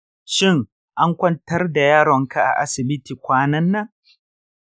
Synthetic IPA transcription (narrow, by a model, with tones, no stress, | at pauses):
ʃɪ˦˨ŋ | ʔa˦ŋkʷɔ˦ntɐ˦rda˨jaː˦ɽɔ˨ŋkʰa˦ʔa̰˨ʔa̰˦sɪ˨bɪ˦tiː˨kʷaː˦nɐ˦nːɐ˦ŋ